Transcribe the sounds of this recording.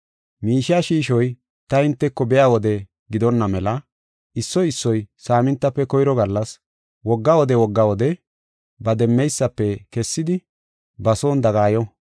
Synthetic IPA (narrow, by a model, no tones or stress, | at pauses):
miːʃɪaːʃiːʃɔj | t̪ɐɪnt̪ːɛkːɔbɛjaːwɔd̪ɛ | ɡɪd̪ɔnːɐmɛlɐ | ɪsːɔɪsːɔjsaːmɪnt̪ːɐpːɛkɔjɾɔɡɐlːɐs | wɔɡːawɔd̪ɛwɔɡːɐwɔd̪ɛ | bɐd̪ɛmːɛjsːɐpːɛkɛsːɪd̪ɪ | bɐso̞ːnd̪ɐɡaːjɔ